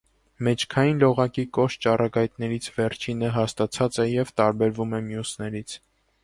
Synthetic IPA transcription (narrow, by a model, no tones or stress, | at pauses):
mɛt͡ʃʰkʰɑjinlɔʁɑkikɔʃt͡ʃɑrɑɡɑjt̪nɛɾit͡sʰvɛɾt͡ʃʰinəɦɑst̪ɑt͡sʰɑt͡sɛjɛvt̪ɑɾbɛɾvumɛmjusnɛɾit͡sʰ